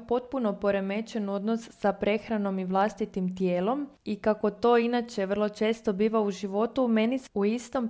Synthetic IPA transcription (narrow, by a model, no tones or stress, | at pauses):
po̞t̪̚puno̞po̞ɾe̞me̞t͡ʃe̞no̞d̪nosːapɾe̞xɾano̞miʋlˠast̪it̪imt̪jeːlo̞mikako̞t̪o̞inat͡ʃe̞ʋr̩lˠo̞t͡ʃe̞ːst̪o̞biːʋauʒiʋo̞t̪ume̞nisuist̪o̞m